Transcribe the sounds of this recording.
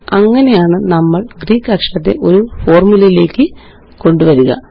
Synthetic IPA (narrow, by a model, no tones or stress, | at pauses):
ɐŋːɐne̞jaːɳɨnɐmːɐɭɡriːkːɐkʂɐt̪ːe̞̰ʔo̞ɾufo̞ːrmulɐjile̞ːkːɨ | ko̞ɳɖuʋɐɾuɣɐ̰